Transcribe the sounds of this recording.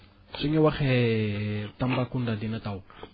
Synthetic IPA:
soŋewaχe | t̪ambakundad̪inat̪aw

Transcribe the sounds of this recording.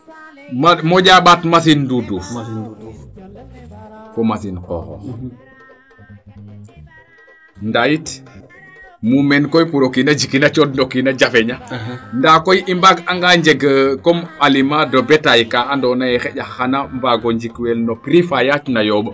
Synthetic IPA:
mamɔɟaːɓatmas̬indudu | fɔmasinqɔ̰ːxɔ̰ | ndajit | mumɛnkɔjpuɾokinad͡ʒikinat͡ʃɔtndokinad͡ʒafeɲandaːkojimbaɡaŋɡaɲd͡ʒeɡəkɔmalimadɔbɛtajkaandɔnajɛxɛɟaxanambaɡoɲd͡ʒikwɛlnokɾifajat͡ʃnajɔɓə

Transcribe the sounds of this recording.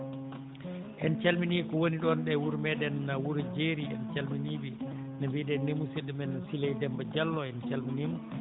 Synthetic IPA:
ʔɛnt͡ʃalminikɔwoniɗɔnɗɛwuɾmɛdɛnːawuɾd͡ʒeɾiɛ̰nt͡ʃalminiːbi | nambidɛnːemusedːɛmɛnsilejdɛmbad͡ʒalːɔɛnt͡ʃalminimu

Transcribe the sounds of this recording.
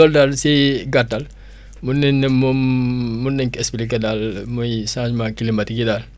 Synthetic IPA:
ɔldalsiɡatːal | munːɛnːɛmumːunːɛŋkespilikedalmujsãsmakilimbatikidal

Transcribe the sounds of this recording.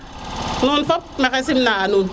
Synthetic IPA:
nunfɔp̚mekesimnaanu

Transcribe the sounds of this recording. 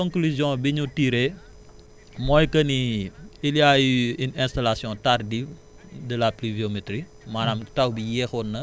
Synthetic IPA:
kɔ̃ŋklyzjɔ̃biɲutiɾe | mɔːjkɐniiljajiinɛ̃stalasjɔ̃tardif | dəlapliviometɾi | manamtawbijɛxɔnːɐ

